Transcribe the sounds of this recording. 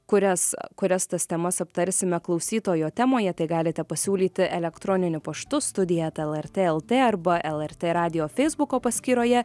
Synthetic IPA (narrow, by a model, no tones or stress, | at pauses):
kʊɾʲɛskʊɾʲɛst̪ɐst̪ʲɛmɐsɐpt̪ɐɾʲsʲɪmʲɛklˠɒʊsʲiːt̪oːjoːt̪ʲæːmoːjɛt̪ɐɪɡɑːlʲɪt̪ʲɛpɐsʲuːlʲiːt̪ʲɪʔɛlʲɛkt̪ɾoːnʲɪnʲʊpɐʃt̪ʊst̪ʊd̪ʲɪjɛt̪ɛlˠɛɾʲt̪ʲeːɛlˠt̪ʲeːɐɾbɐʔɛlˠɛɾʲt̪ʲeːɾɑːd̪ʲɪjoːfʲɛɪzbʊkoːpɐsʲkʲiːɾoːjɛ